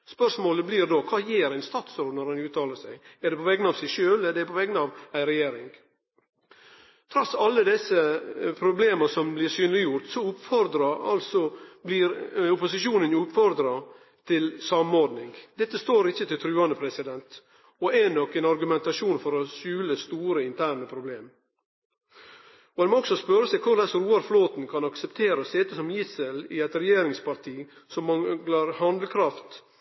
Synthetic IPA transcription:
spœʂmoːləblɪɾd̪oːkʰɑːjeːɾæɪnst̪ɑːt̪sod̪nɔɾɛnʉːt̪ʰɑːləʂæɪæɖ̪ɛpʰɔʋɛɡənɑːʋsæɪʂøːlɛd̪ɛæɾpʰɔʋɛɡnɑːʋæɪɾɛjeːɾɪŋ | t̪ʰɾɔsːɑlːəd̪ɛsəpʰɾʊbleːməsɔmblɪɾsyːnlɪjʊɾt̪sɔʊpfɔɾd̪ɾɑɑ̰lsɔblɪɾʊpʊsɪʂuːnənʉpfɔɾd̪ɾɑ | t̪ʰɪlsɑmɔɾd̪nɪŋd̪ɛt̪ːəst̪oːɾɪçːət̪ɪlt̪ʰɾʉːɑnəpʰɾɛsɪd̪ɛnt̪ | ɔɛnɔkːɛnɑɾɡʉmɛnt̪ɑʂuːnfɔɾɔʃʉːləst̪uːɾəɪnt̪ʰæːɾɳəpʰɾʊbleːm | ɔhɛnmoɔksɔspœɾəsɛɪkʰʊlɛsɾuːɑɾfloːt̪n̩kʰɑnɑksɛpt̪ʰeːɾəseːt̪əsɔmjɪsəlɪɛt̪ɾɛjeːɾɪŋspɑɾt̪ʰiː | sɔmːɑlɑɾhɑnd̪lkʰɾɑft̪

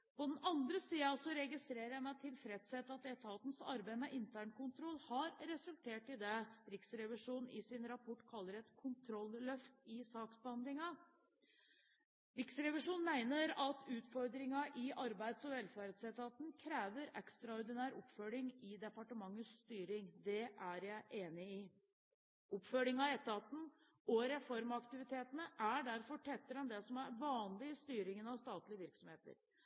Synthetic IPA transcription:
pɔd̪ɛn̩ɑnd̪ɾəsiːɑsɔɾɛɡɪst̪ɾeːɾəjæmæɪt̪ʰɪlfɾeːt̪seːt̪ɑt̪̚d̪ɛt̪ʰɑt̪n̩sɑ̰ɾbæɪmɛʔɪnt̪ʰæːɳkʊnt̪ʰɾɔlːhɑɾɾɛsʉlt̪ʰeːʈɪd̪ɛɾɪksɾɛʋɪʂuːnn̩ɪ̰sɪnɾɑpʰɔʈːkʰɑlːəɾɛt̪kʰʊnt̪ʰɾɔlːlœft̪ɪsɑːksbəhɑnd̪lɪŋɑ | ɾɪksɾɛʋɪʂuːnmæɪnəɾɑt̪ʉːt̪fɔɾd̪ɾɪŋɑʔɪʔɑɾbæɪd̪sɔʋɛlːfæːɾəd̪sɛt̪ɑt̪n̩kʰɾeːʋəɾɛ̰kst̪ɾɑɔɾd̪ɪnæːɾɔpːfœɭɪŋɪd̪ɛpɑʈəmɑŋːəst̪yːɾɪŋd̪ɛʔæɾjæɪʔeːnɪɪ | ɔpːfœlɪŋɑɛt̪ːɑt̪n̩ | ɔɾɛfɔɾmɑkt̪ɪʋɪt̪ʰeːt̪ənəʔæɖæɾfɔʈʰɛt̪ːəɾɛnd̪ɛsɔmæɾʋɑːnlɪst̪yːɾɪŋənɑʋst̪ɑːt̪lɪəʋɪɾksɔmheːt̪ə̰ɾ

